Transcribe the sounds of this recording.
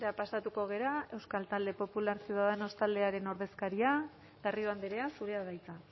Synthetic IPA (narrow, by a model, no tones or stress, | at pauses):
ɾapasat̪uko̞ɣ̞e̞ɾae̞wskalt̪ald̪e̞po̞pulaɾsjiuðaðeno̞st̪ald̪e̞aɾe̞no̞ɾð̞e̞skaɾia | ɣ̥arioand̪eɾe̞asuɾe̞aðajt͡sa